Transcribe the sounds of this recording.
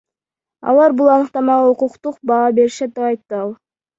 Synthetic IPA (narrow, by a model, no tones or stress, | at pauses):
ɑ̰lˠɑɾbulˠɑnɯqt̪ɑmɑʁɑuquqt̪uqbɑːbe̞ɾʃet̪ːeɑjt̪ːɯɑlˠ